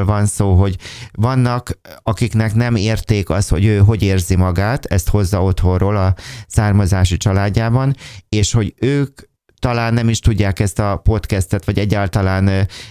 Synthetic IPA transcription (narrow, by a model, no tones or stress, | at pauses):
lvɒnsoːɦo̞ɟvɒnːɒkɒkiknɛknɛmeːrt̪eːkɒst̪ho̞̰ɟøːɦo̞ɟeːrzimɒɡaːt̪ɛst̪ho̞zːɒo̞t̪ho̞rroːlɒsaːrmɒzaːʃit͡ʃɒlaːɟːaːbɒneːʃho̞ɟøːk | t̪ɒlaːnːɛmiʃt̪uɟːaːkɛst̪ɒpo̞t̪kɛst̪ɛt̪ʋɒɟɛɟːaːlt̪ɒlaːn